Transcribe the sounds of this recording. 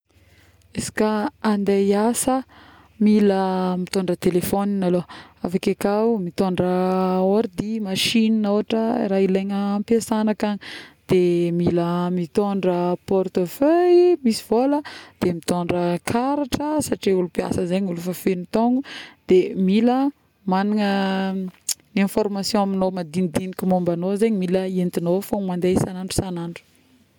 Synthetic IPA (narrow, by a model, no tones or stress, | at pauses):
esi̥kaand̪ejasə | miləmit̪oɳɖ͡ʐət̪elefoninaloafakakamit̪oɳɖ͡ʐəoɾd̪imaʃininowaʈ͡ʂəḭɾaileɲəːmpjasanakaɲid̪̥emiləmit̪oɳɖ͡ʐəpɔrt̪oføjmisi̥v̥oləd̪̥emit̪oɳɖ͡ʐəkʰaɾaʈ͡ʂəsaʈ͡ʂiulupia̰səzeɲulufafenit̪oŋɡud̪̥emilə | manaŋə | niẽnfɔɾmasjɔ̃aminomad̪inid̪inikʲumombanozeɲimiləent̪inofoŋmand̪esanaɳɖ͡ʐu̥sanaɳɖ͡ʐu̥